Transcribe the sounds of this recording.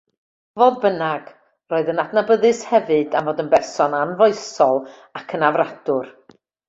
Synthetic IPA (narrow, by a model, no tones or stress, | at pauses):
voːd̚bənaɡ̥ | roːɨðənadnabəðɨshɛvɨdamvoːdənbɛrsɔnanvɔɨsɔlˠ | akʰənavrad̥ʊr